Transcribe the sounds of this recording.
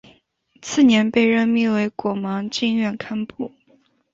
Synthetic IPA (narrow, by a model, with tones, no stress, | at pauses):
t͡sʰɹ̩˥˩njɛ˧˥npe˥˧ɪɻə˥˧nmi˥˩we˧˥ɪkwɔ˨˩mɑ˧˥ŋt͡ɕi˥˧nɥɛ˥˩nkʰa˥npu˥˩